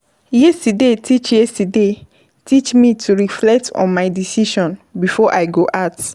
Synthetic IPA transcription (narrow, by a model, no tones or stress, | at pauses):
jɛstudetʰit͡ʃjɛstude | tʰit͡ʃmĩtʰuɹiflɛk̚tʰɔ̰̃nmaɪdisiʃɔ̃nbifɔʔaɪɡoʔat